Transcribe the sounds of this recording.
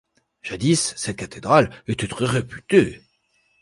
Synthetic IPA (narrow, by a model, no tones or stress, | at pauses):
ʒ̥ad̪isːɛt̪̚kat̪ʰed̪ʁalɛt̪ɛt̪χəʁepy̥t̪e